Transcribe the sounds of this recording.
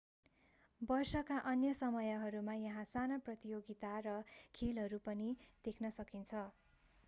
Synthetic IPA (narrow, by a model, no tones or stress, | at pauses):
bʌrsʌkaʔʌnjʌsʌmʌjʌɦʌɾumajʌɦãsanaprʌt̪ijoɡit̪arʌkʰelɦʌɾupʌnid̪̥ekʰnʌsʌkint͡sʰʌ